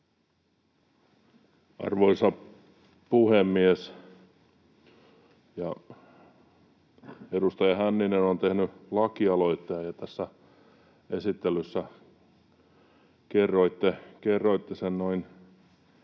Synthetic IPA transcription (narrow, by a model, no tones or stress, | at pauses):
ɑ̰rʋoisɑ | puhemːies | jɑ | edust̪ɑjɑhænːinenont̪ehnylɑkiɑloit̪ːeɑjɑt̪æsːæ | esit̪ːelysːæ | kerːoit̪ːekerːoit̪ːesennoin